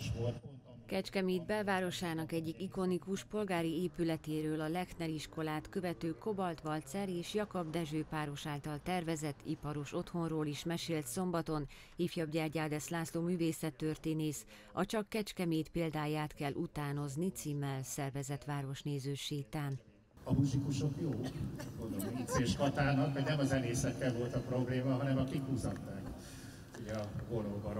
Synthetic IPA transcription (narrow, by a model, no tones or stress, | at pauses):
kɛt͡ʃkɛmeːd̪bɛlvaːɾo̞ʃaːnɒkɛɟːikiko̞nikuʃpo̞lɡaːɾieːpylɛt̪eːɾøːlɒlɛknɛɾiʃko̞laːt̪kø̞vɛt̪øːko̞bɒlt̪ʋɒlt̪sɛɾeːʃjɒkɒbd̪ɛʒøːpaːɾo̞ʃaːlt̪ɒlt̪ɛrvɛzɛt̪ːḭpɒɾo̞ʃo̞t̪ho̞nroːliʃmɛʃeːlt̪so̞mbɒt̪o̞n | hiːfjɒbɟɛrɟaːd̪ɛslaːsloːmyːveːsɛt̪ːørt̪eːneːs | ɒt͡ʃɒkːɛt͡ʃkɛmeːt̪peːld̪aːjaːt̪kɛlːʔut̪aːno̞znit̪siːmːɛlsɛrvɛzɛt̪ʋaːɾo̞ʃneːzøːʃeːt̪aːn | ɒmuzikuʃo̞kjoːɡond̪oloiseːʃkɒt̪aːnɒkmɛɟnɛmɒzɛleːsɛkːɛlvo̞lt̪ɒpro̞bleːmɒɦɒnɛmɒkikuːzɒt̪ːaːk | uɟɛɒɡoɾoɡɒɾ